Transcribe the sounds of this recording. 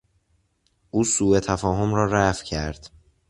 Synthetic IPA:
ʔuːsuːe̞t̪ʰæfɒːɦomɾɒːɾæfcʰæɾd̪̥

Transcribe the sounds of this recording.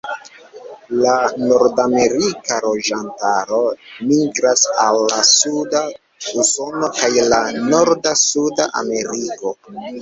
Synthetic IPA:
lano̞ɾdame̞ɾikaɾo̞d͡ʒantaɾo̞miɡɾasalːasuda | uso̞no̞kajlano̞ɾdasuda̰ʔa̰me̞ɾiko̞

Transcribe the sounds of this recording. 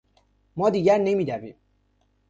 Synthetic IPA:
mɒːd̪iːɡæɾnemiːd̪ævḭːm

